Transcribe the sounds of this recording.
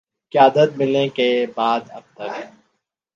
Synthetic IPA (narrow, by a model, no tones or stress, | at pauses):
kjaːd̪ət̪̚mɪlẽkebaːd̪ɐ̰b̚t̪ɐk